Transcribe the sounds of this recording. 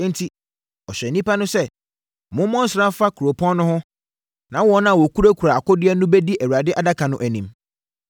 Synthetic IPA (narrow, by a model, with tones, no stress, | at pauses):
n̩˦tʰi˦ | ɔ˨ɕᶣɛ˨nĩ˦pa˦nʊ̃˦sɛ˦˨ | mʊ̃˦mɔ̃˦n̩˦sɪɾã˦fa˦kʰu˨ɾo˨pʰɔ̃˦n˦nʊ̃˦hʊ̃˦ | nã˨˦wɔ˦nã˦a˨wɔ˨kʰu˦ɾæ˦kʰu˨ɾa˨a˨kɔ˦dɪ˦ɛ˦nʊ̃˦bɛ˦di˦ʔæ˨wa˨dɪ˦ʔa˨da˦kʰã˨nʊ̃˦ʔæ˨nĩ˨m